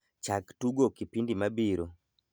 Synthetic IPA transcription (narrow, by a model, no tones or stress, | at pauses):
t͡ʃaktuɡokipindimabiɾo